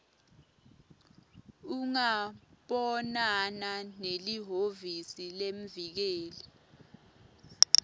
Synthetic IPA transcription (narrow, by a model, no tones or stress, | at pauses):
uŋaɓɔnananeliɦovisilemvik̬eːlɛ